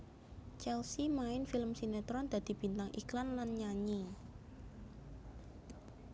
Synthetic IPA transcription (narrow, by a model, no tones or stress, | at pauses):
t͡ʃɛlsimaɪnfiləmsinet̪ɾɔnd̪̥a̤d̪̥i̤b̥i̤nt̪aŋʔḭklanlanɲaɲi